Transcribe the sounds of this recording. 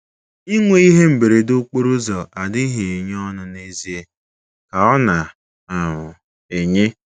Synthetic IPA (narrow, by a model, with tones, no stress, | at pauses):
i˦ŋʷe˦i˦ɦe˦m̩˨be˨ɾe˨dʊ˦k͡po˦ɾu˦zɔ˨ʔa˨dɪ˦ɦe˨e˨ɲ˦ɔ˦nʊ˦ne˦zi˨˦e˦ | ka˨ɔ˦na˨ | a˨ɦʊ˨ | e˨ɲe˦